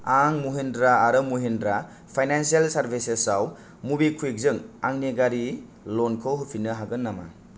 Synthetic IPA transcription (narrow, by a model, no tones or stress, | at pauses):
aŋmuɦendɾaːɾɯmuɦendɾa | pʰajnansialsaɾbʰʱisesaw | mubikʰuek̚zɯŋa̰ŋneɡaɾi | lonkʰɯwɦupʰinɯɦaɡɯnːama̰